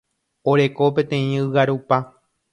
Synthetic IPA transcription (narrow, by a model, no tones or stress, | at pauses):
oɾe̞ko̞pẽ̞t̪ẽ̞ĩɨwaɾupa